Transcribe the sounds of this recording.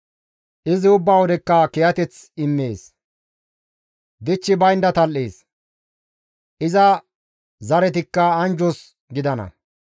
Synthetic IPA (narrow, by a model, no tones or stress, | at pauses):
ʔɪzɪʊbːawɔd̪ɛkːɐkɛjɐt̪ɛt͡sɪmːeːs | d̪ɪt͡ʃːɪbɐjnd̪ɐt̪ɐlːeːs | ʔɪzɐ | zɐɾɛt̪̬ɪkːɐːnd͡ʒɔs | ɡɪd̪ɐnɐ̰